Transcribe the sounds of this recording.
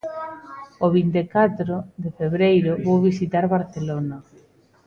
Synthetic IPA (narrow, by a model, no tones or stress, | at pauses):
oβint̪ekat̪ɾoðefeβɾejɾʊβowβisit̪aɾβaɾθelona